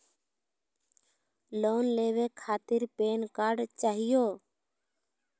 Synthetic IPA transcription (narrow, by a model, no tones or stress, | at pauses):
loːnleːʋeːkʰaːt̪ɪɾpeːnkaːɾɖt͡ʃaːɦɪjoː